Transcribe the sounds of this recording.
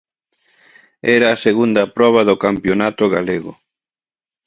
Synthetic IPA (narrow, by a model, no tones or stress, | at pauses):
ɛɾɐːseɣund̪ɐpɾɔβ̞ɐðokampjonat̪ʊɣaleɣʊ̰